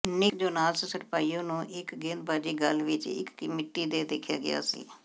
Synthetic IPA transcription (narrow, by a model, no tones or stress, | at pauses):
nɪkd͡ʒoːnaːlsəsəʈpaːiːjõːnũːʔɪkɡẽːnd̪baːd͡ʒiːɡəlʋɪt͡ʃɪ̰kːmɪʈːiːd̪eːd̪eːkʰja̰ːɡɪ̰ja̰ːsḭː